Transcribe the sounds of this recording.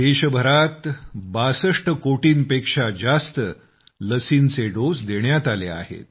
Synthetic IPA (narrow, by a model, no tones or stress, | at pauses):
d̪eɕəbʱəɾat̪basəʂʈəkoʈiːnpekʂad͡zast̪ə | ləsiːnt͡seɖosd̪eɳjat̪alea̰ɦḛt̪̚